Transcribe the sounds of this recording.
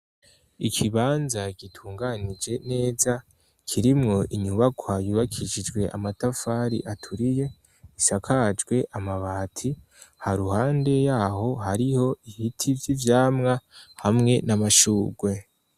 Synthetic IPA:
ikʰiβaːnzaɡ̥itʰuːŋɡanid͡ʒe̞ne̞ːza | kʰiɾimŋo̞ʔiɲuβakʰwajuβakʰiʃid͡ʒɡwe̞ʔa̰matafaːɾḭʔatʰuɾije̞ | isakʰad͡ʒɡwe̞ʔamaβaːtʰi | haɾuhaːnde̞jaːho̞ɦaɾiho̞ihitʰivjivjaːmŋahamŋe̞namaʃuːɡwe̞

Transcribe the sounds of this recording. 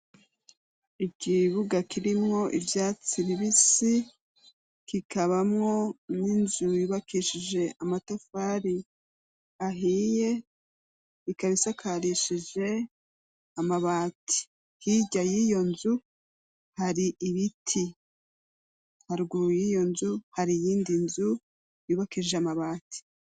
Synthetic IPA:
ikiβuɡakiɾimŋo̞ʔḭvjaːt͡siβiβisi | kikaβamŋo̞ninzujiβakiʃid͡ʒe̞ʔamatofaɾi | aɦije̞ | ikaβisakʰaɾiʃid͡ʒe̞ | amaβaːtʰi̥ | hiɟajijo̞nzu | haɾiʔiβitʰi | haɾɡujijo̞nzuhaɾijiːndinzu | juːβakiiʒeamaβaːtʰi̥

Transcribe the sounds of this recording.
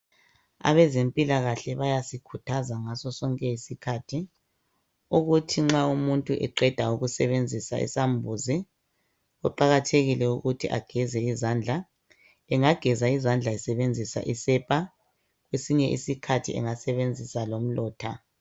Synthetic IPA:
a̰βɛzempʼilaɣaɬɛβajasikʰutʰazaŋasɔsɔŋkʼɛisikʰatʰi | uɣutʰiŋ͡ǁaumuntʼuʔɛǃɛd̥ʱauɣusɛβend͡zʱisa̰ḭsambʱuzi | ɔǃaɣatʰeɣilɛuɣutʰiʔa̰ɡ̥ʱɛzɛizand͡ɮʱa | ɛŋaɡ̥ʱɛzaizand͡ɮʱaɛsɛβend͡zʱisa̰ʔisɛpʼa | ɣwesiɲɛʔḭsikʰatʰḭʔɛ̰ŋasɛβend͡zʱisalom̩lɔːtʰa

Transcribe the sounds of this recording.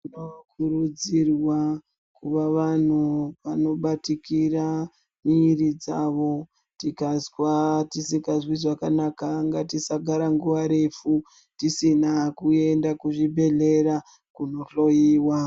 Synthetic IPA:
tinokʰuɾud͡zirwa | kuʋaʋan̤uʋano̞ɓatikira | mirid͡zaʋo̞ | tikazwatisikazwiʐakanakaŋɡatisaɡʱaɾaŋɡuʋaɾe̞fu | tisinakue̞ndakuʐibʱe̞ɮe̞ɾa | kuno̞ɬo̞jiːwa

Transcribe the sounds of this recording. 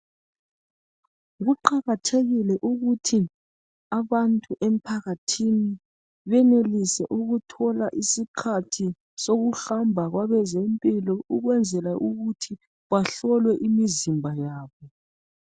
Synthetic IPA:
ɣuǃaɣatʰeɣilɛʔuɣutʰi | aβantʼuʔem̩pʰaɣatʰini | βɛnelisɛʔuɣutʰɔlaʔisikʰatʰi | soɣuɬambʱaɣwaβɛzempʼilɔuɣwɛnd͡zʱɛlaʔuɣutʰi | βaɬɔlwɛʔimizimbʱajaːβɔ

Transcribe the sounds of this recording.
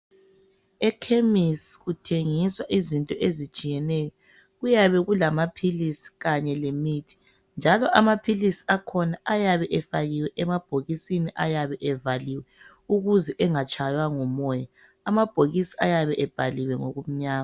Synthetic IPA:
ɛkʰemisɣutʰeŋiswaʔizintʼɔʔezit͡ʃʼijɛnɛjɔ | ɣujaβɛɣulamapʰilisi̥ɣaɲɛlemiːtʰi̥ | nd͡ʒʱalɔʔamapʰilisi̥akʰɔnaʔajaβɛʔɛfaɣiwɛʔɛmab̥ʱoɣisiniʔajaβɛʔɛvaliwɛ | uɣuzɛʔɛŋat͡ʃʼʰajwaŋɔmɔja | amab̥ʱoɣisiajaβɛʔɛb̥ʱaliwɛŋo̰ɣum̩ɲaːma

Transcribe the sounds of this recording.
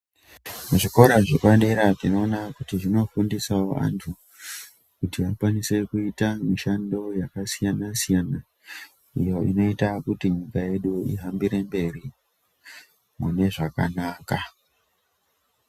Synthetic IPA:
muʐiko̞ɾaʐekwanɗeɾaʐino̞ːnakutiʐino̞fundisawoʔa̰ntʰu | kutiakwanise̞kuitamiʃando̞jakasijanasijana | ḭjo̞ḭno̞itakutiɲikaje̞ɗuiɦambiɾe̞mbe̞ri | mune̞ʐaka̰naːka

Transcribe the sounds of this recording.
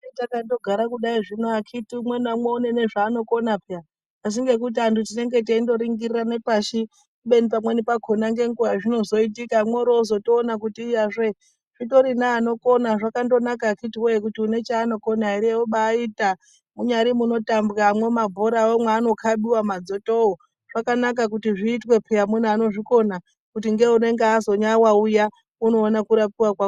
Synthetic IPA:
etakando̞ɡʱaɾakuɗaiʐinoakʰitimwenamweune̞ne̞ʐaːno̞ko̞napa | as̬iŋɡe̞k̬ut̬iantutine̞ŋɡe̞t̬eindo̞ɾiŋɡirirane̞paʃi | kuɓe̞nipamwenipakʰonaŋɡe̞ŋɡujaʐino̞zo̞itikamweɾozo̞toːnakutijaʐe | ʐ̥ito̞ɾinaːno̞ko̞naʐakando̞nakakitiwekutiune̞t͡ʃaːno̞konaiɾeoɓaːita | muɲaɾimuno̞tambɣamwe̞mabʱoɾawomweːno̞kʰaɓiwamad͡zo̞too | ʐ̥akanak̬ak̬utiʐiːtwe̞pʰeamunano̞ʐiko̞na | kutiŋɡe̞une̞ŋɡeːzo̞ɲawauja | uno̞ːnakuɾapiwakwa

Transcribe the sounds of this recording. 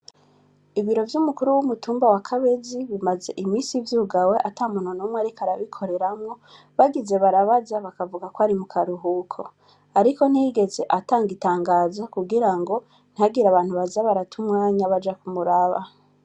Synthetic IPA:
iβiɾo̞vjumukuɾuwumutuːmbawakʰaβeziβimaze̞̰ʔimiːsivjuːɡawe̞ʔataːmun̥onumwaɾikaɾaβikʰo̞ɾe̞ɾamŋo̞ | βaɡize̞βaɾaβazaβakavuɡakoaɾimukʰaɾuɦukʰo | aɾiko̞n̥hiɡe̞ze̞ʔataːŋɡitaːŋɡaːzakuɡiɾaŋɡo̞ | n̥ihaɡiɾaβaːnhuβazaβaɾatumŋaːɲaβad͡ʒakumuɾaβa̰

